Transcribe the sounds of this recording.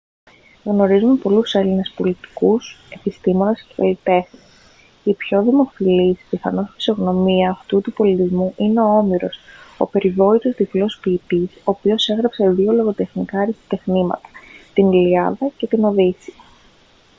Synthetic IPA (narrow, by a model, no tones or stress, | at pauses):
ɣno̞ɾizume̞po̞luse̞line̞spo̞lit̪i̥kuse̞pist̪imo̞ne̞sckɐ̰lit̪e̞xnis | ipço̞ðimo̞filispiθɐno̞sfi̥so̞ɣno̞miɐːft̪ut̪upo̞lit̪izmuʔineo̞o̞miɾo̞so̞̰pe̞ɾivo̞it̪ozðiplo̞spiːpiso̞ːpio̞se̞ɣɾɐpseðio̞lo̞ɣo̞t̪e̞xnikɐːɾist̪i̥t̪e̞xnimɐ̰t̪ɐ̥t̪iniliɐðɐce̞t̪ino̞ðisiɐ